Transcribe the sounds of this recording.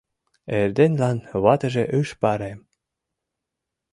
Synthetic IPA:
erd̪enlɑnβɑt̪ə̆ʒeʔyʃpɑɾem

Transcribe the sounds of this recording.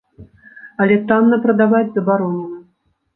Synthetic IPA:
ɐlʲɛt̪amnɐpɾɐd̪avad͡zʲzɐbaɾɔnnɐ

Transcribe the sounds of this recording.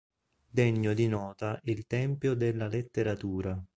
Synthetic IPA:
d̪ɛɲːod̪inɔːt̪aʔilt̪ɛmpjod̪elːalet̪ːeɾat̪uːɾa

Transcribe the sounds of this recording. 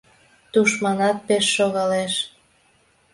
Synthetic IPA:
t̪uʃmɑnɑt̪̚peʃːoɣɑleʃ

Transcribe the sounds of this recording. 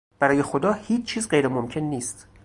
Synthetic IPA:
b̥æɾɒːje̞xod̪ɒːhiːt͡ʃt͡ʃʰːiːzɢejɾemomcʰe̞nːiːst̪

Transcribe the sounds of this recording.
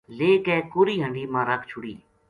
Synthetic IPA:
leːkɛːkoːɾiːɦəɳɖiːmãːɾəkʰt͡ʃʰʊɽḭː

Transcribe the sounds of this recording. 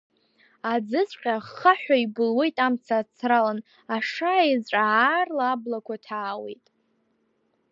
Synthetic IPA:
ad͡zɨzʷqʲʼaχaħᶣʷaibɨlwe̞jtʼamt͡sʰaːt͡sʰralan | aʂajzʈ͡ʂʼaʕarlaːblakʷʰatʰaːwḛjtʼ

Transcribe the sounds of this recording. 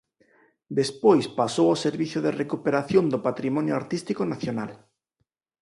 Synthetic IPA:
d̪espojspasowoseɾβiθjoðerekupeɾaθjond̪opat̪ɾimɔ̃njoaɾt̪ist̪ikonaθjonal

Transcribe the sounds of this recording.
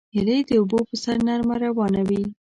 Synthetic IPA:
hɪled̪əubopəsaɾnaɾmaɾawɑnawi

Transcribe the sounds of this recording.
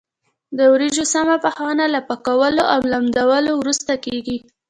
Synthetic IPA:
d̪əwɾiʒosamapəxɑnalapakawəloʔawlamd̪awəlowɾust̪akeɡi

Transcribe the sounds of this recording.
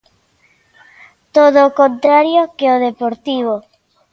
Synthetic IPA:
t̪oðoːkont̪ɾaɾjokeoðepoɾt̪iβ̞o

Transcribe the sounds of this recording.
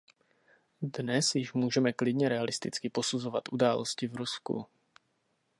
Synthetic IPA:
dnɛsjɪʃmuːʒɛmɛklɪdɲɛɾɛalɪst̪ɪt͡skɪpo̞suzo̞vat̪ʔudaːlo̞scɪvɾuskṵ

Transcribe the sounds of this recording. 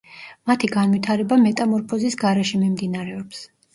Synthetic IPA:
mat̪ʰiɡanvit̪ʰaɾɛbamɛt̪ʼamɔɾpʰɔzisɡaɾɛʃimimd̪inaɾɛɔps

